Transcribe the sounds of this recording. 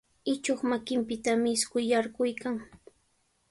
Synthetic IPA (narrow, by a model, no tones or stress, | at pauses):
ɪt͡ʃoχmakɪmpɪt̪amɪskʊjaɾɢʊjkaŋ